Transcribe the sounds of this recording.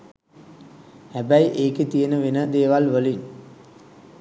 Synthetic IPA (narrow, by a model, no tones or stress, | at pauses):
hæbæjʔeːket̪ijənəʋenəd̪eːʋalʋəliɲ